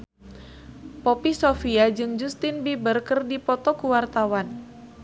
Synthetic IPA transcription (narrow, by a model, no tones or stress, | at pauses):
popisofiad͡ʒɨŋd͡ʒust̪inbibərkɨrdipɔt̪ɔkuwart̪awan